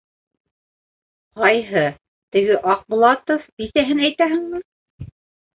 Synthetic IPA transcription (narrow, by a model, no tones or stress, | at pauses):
qɑjɦɤ | t̪ɘ̆ɡɘʔɑq̚bŭlˠɑt̪ofbiθæɦɘnæjt̪æɦɘ̆ŋmɤ